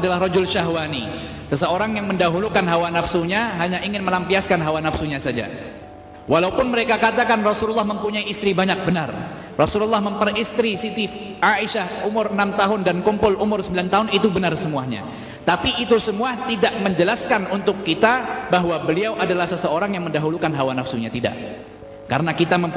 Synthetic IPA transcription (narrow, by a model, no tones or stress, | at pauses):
dalahɾɔd͡ʒʊlʃaɦwanḭ | səsəoɾaŋjaŋməndaɦulukanɦawanafsuɲaɦaɲaʔiŋɪnməlampiaskanɦawanafsuɲasad͡ʒa̰ | wʔalaupʊnməɾekakat̪akanrɔsululːahməmpuɲaiist̪ɾibaɲak̚bənar | rɔsululːɑhməmpərist̪ɾisit̪if | aiʃahumʊrənamt̪aɦʊndankumpʊlumʊrsəmbilant̪aɦʊnit̪ubənarsəmuahɲa̰ | t̪apiːt̪usəmuaht̪idaʔməɲd͡ʒəlaskanunt̪ʊkːit̪abaɦwabəliawʔadalahsəsəoɾaŋjaŋməndaɦulukanɦawanafsuɲat̪ida̰ʔ | ka̰ɾənakit̪aməm